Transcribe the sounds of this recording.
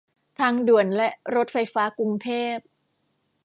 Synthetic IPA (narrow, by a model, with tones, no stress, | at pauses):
t̪ʰaː˦˧˥ŋdu˨˩ənlɛ˦˥ʔɾo˦˥t̪̚fa˧jfaː˦˥ku˧ŋt̪ʰeː˥˩p̚